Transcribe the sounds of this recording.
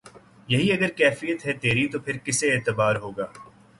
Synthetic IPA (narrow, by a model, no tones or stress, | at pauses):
jɐɦiɐɡəɾkɛːfijət̪ɦɛt̪eːɾit̪opʰɪɾkɪseːt̪əbaːɾɦoːɡaː